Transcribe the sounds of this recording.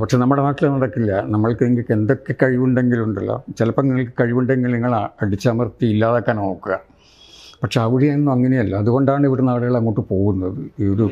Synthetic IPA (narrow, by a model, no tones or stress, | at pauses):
pɐʈʂe̞nɐmːuɽemaːʈːilɐnːɐɽɐkːilːɐnɐmːɐɭkeŋɡilkend̪o̞kːe̞kɐɻiʋuɳɖe̞ŋɡiluɳɖɐlːo̰t͡ɕelɐpːonːiŋːɐɭkɨ̥kɐɻiʋuɳɖeŋːɐɭniŋːɐɭɐɽit͡ɕːaːmɐrt̪ːiilːaːðokːaːnno̞ːkːuɣɐ̰ | pɐʈʂeɐʋiɻijaenːumɐŋːɐnejɐlːɐɐðuɣo̞ɳɖaːɳiʋiɽenaːɽiɣɐɭɐŋːoːʈːɨpo̞ːɣunːɐðɨiːoɾu